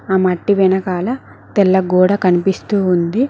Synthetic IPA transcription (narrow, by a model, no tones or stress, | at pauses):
aːmɐʈːiʋɛnɐkaːlɐ | t̪ɛlːɐɡuːɽɐkɐnipist̪uːund̪i